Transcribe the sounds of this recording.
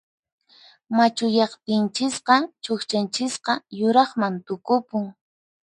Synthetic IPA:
mat͡ʃʊjɑχt̪ɪnt͡ʃɪsqɑt͡ʃoxt͡ʃant͡ʃɪsqɑjʊɾɑχmant̪ʊkʊpʊŋ

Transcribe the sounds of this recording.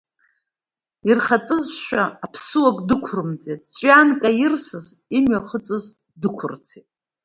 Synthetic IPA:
irχatʼɨzʃʷᶣaːpʰsɨwakʼdɨkʷʰʊrɨmd͡zʼetʼt͡ʃʷʼankʼajɪrsɨzimɥaχət͡sʼɨz | dɨkʷʰʊrt͡sʰetʼ

